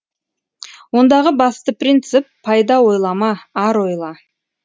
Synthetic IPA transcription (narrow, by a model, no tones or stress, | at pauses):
wo̞nd̪ɑʁəbɑst̪əprint̪sɨpʰːɑjd̪ɑwo̞jlˠɑmɑɑɾwo̞jlˠɑ